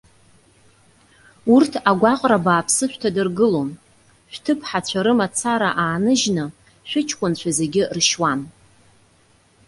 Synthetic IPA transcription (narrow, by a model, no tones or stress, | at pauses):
urtʰaɡʷaqʼrabaːpʰsɨʃʷᶣtʰadɨrɡɨlo̞n | ʃʷᶣtʰɨpʰħat͡ɕʷʰaɾɨmat͡sʰaɾaʔaːnɨʒnɨ | ʃʷᶣʏt͡ʃʰkʷʼʊnt͡ɕʷʰaze̞ɡʲɪrʃwan